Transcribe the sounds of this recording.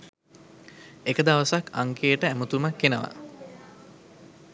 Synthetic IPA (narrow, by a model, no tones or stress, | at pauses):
ekəd̪aʋəsakʰaŋkejəʈəæmət̪umakːenəʋa̰